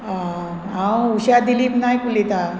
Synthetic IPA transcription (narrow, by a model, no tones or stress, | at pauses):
a | ɦãwuɕad̪iliknajkulit̪a